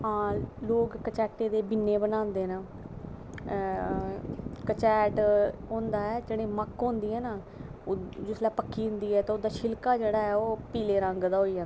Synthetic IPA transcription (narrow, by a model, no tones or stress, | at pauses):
ãːloːkːət͡ʃɛːʈeːd̪eːbɪnːeːbənãːnd̪eːnaː | kət͡ʃɛːʈɦõːnd̪aːɛːd͡ʒeɽẽːməkɦõːnd̪iːɦɛːnaː | d͡ʒʊslaːpəkʰːiːɦʊ̃nd̪iːɛːt̪ãːʊd̪aːʃɪlkaːd͡ʒeːɽaːɛːoːpiːleːɾə̃ŋɡd̪aːɦoːiːd͡ʒãːn